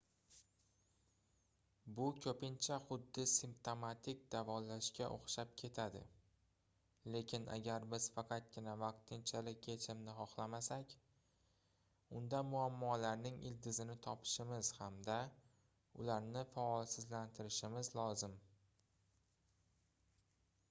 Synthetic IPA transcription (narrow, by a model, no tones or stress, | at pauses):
bʊkʲʰɵpɪnt͡ʃʰaχʊd̪ːɪsɪmpt̪o̞mat̪ʰɪk̚ʲd̪avɒlaʃkʲaʔo̰χʃap̚kʲʰe̞t̪ʰad̪ɪ̰ | le̞kʲʰɪnʔa̰ɡʲaɾbɪz̥fɑqʰɑt̪̚ɡʲɪnavɑq̚t̪ʰɪnt͡ʃʰalɪkʲet͡ʃʰɪmnɪχɒχlˠamasakʲ | ʊnd̪amʊamːɒlaɾnɪŋɪld̪ɪzɪnɪt̪ʰɒpʰɪ̥ʃɪmɪz̥hamd̪a | ʊlaɾnɪfaɒlˠsɪzlant̪ʰɪɾɪʃɪmɪzlɒzɪm